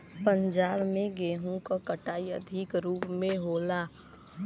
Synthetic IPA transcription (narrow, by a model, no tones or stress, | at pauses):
pə̃ɲd͡ʒaːbmẽɡeːɦũkakəʈaːiə̰d̪ʱɪkɾuːpmẽɦoːlaː